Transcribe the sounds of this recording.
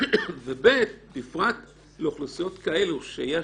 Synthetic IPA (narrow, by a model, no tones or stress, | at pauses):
vebet̪bifʁat̪ | loχlusijo̞t̪kae̞luʃeje